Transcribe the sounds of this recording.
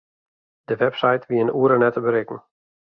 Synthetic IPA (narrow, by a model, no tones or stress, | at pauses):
d̥əʋɛpsajtʋiənuːɾənɛtəbəɾɪkŋ̩